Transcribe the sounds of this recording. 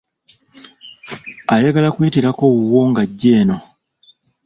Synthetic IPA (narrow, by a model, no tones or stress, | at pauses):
ajaɡalakwiːtiɾako̞wuwo̞ːŋɡaɟːe̞ːno̞